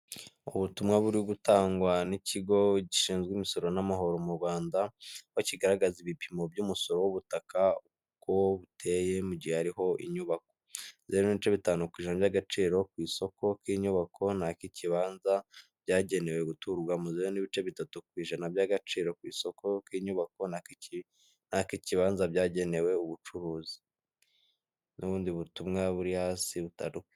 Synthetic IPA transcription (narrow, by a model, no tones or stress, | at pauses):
uβutumŋaβuɾiɡutaːŋɡwaniciɡo̞ɟiʃiːnzɡwiːmiso̞ɾo̞namaɦo̞ɾo̞muɾɡwaːndawociɡaɾaɡaziβipʰimo̞bjuːmuso̞ɾo̞wuβutakau | koβutʰe̞ːje̞muɟihehaɾiɦo̞ʔḭɲuβak̚o̞zeɾoniβit͡ʃe̞βitaːnukwiːʒanaβjaɡat͡ʃiːɾo̞kwiːso̞kʰo̞kiːɲuβakʰo̞nakiciβaːnzab̥ɟaːɟe̞ne̞we̞ɡutuɾɡwamuzeɾoniβit͡ʃe̞βitatukwiːʒanabjaɡat͡ʃiːɾo̞kwiːso̞ko̞kwiːɲuβako̞naii | nakiciβaːnzabɟaːɟe̞ne̞we̞uβut͡ʃuɾuːzi̥ | nʔuβuːndiβutumŋaβuɾihasiβutaɾue